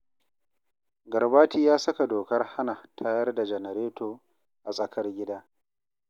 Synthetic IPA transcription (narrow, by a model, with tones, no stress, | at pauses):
ɡɐ˨rbaː˦tiː˦jaː˦sɐ˦ka˨doː˨kɐ˦rha˦na˨tʰaː˦jɐ˦rda˨d͡ʒɛ˨nɐ˨ɾeː˦toː˨ | ʔa˨sʼɐ˨kɐ˦rɡʲɪ˦daː˦